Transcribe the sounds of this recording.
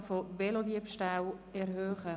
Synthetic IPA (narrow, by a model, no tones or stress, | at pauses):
fovelod̪iəpʃtawɛɾɦøːχə